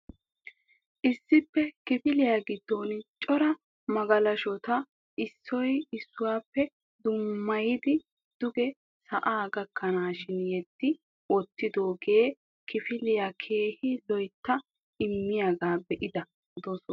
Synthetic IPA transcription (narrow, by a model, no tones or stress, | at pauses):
ʔɪsːɪpːɛkɪfɪlɪjaːɡɪd̪̥ːoːnt͡ʃʼɔɾɐ | mɐɡɐlɐʃɔt̪ɐ | ʔɪsːɔjɪsːʊwaːpːɛ | d̪ʊmːɐjɪd̪ɪ | d̪̥ʊɡɛ | sɐʔaːɡɐkʰːɐnaːʃɪnjɛd̪̥ːɪ | wɔt̪ːɪd̪oːɡe̞ː | kɪfɪlɪjakʰe̞ːhɪlɔjt̪ːɐ | ɪmːɪjɐɡaːbɛʔɪd̪ɐ | d̪ɔsɔ